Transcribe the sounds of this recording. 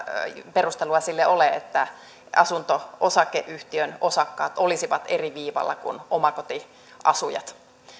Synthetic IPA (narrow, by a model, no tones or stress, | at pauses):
perust̪eluɑsilːeʔoleḛt̪ːæ | ɑsunt̪oosɑkːeʔyht̪iønosɑkːɑːt̪olisiʋɑt̪eriʋiːʋɑ̰lːɑ̰kṵnomɑkot̪i | ɑsujɑ̰t̪